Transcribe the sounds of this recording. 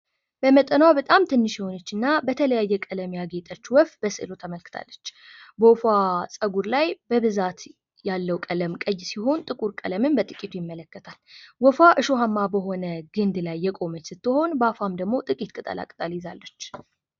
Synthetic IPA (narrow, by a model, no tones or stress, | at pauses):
b̥əmət̪ʼənwabət̪ʼamt̪ʰɨnːɨʃɪho̞nət͡ʃːɨnːabət̪ʰələjajːɛkʼələmjaɡe̞t̪ʼət͡ʃːwɔfbəsɨ̰lo̞t̪ʰəməlkɨ̥t̪ʰa̰lːət͡ʃːbəfasʼəɡuɾlajbəβɨzat̪ | jalːəwkʼələmkʼəjːsiho̞nt̪ʼɨkʼuɾkʼə̰ləmɨmbət̪ʼɨkʼit̪ʰujɪmːələkːət̪ʰalwɔfaʔɨʃoɦamːabəɦo̞nəɡɨnd̪lajːɛkʼo̞mət͡ʃːsɨt̪ːɨho̞nbəafamd̪əɡmot̪ʼɨkʼit̪kʼɨt̪ʼə̰la̰kʼɨt̪ʼaljɪzalːət͡ʃː